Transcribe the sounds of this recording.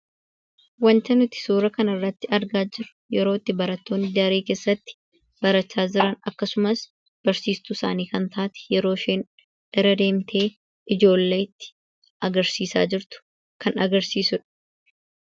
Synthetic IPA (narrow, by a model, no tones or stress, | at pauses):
wɐnt̪ɐnʊt̪ɪ̥suːɾɐkɐnɪrːɐt̪ːɪɐɾɡaːd͡ʒɪɾʊ̥jɛɾo̞ːɪt̪ːɪbɐɾɐt̪ːoːnːɪd̪ɾeːke̞ːsːɐt̪ːɪ̥ | b̥ɐɾɐt͡ʃːaːd͡ʒɪɾɐnɐkːɐsʊmɐs | b̥ɐɾsiːst̪ʊsaːniːkɐnt̪aːt̪ɛ̥jɛɾo̞ːʃeːn | ʔɛrːɐd̪e̞ːmt̪ʰe̞ː | ʔɪd͡ʒo̞ːlːe̞ːɪt̪ːɪ̥ | ɐɡɐɾsiːsa̰ːd͡ʒɪɾt̪ʊ̥ | kɐnɐɡɐɾsiːsʊᶑɐ̥